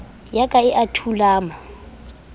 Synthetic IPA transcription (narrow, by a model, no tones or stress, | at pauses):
jakʼaɪʔatʰulaːma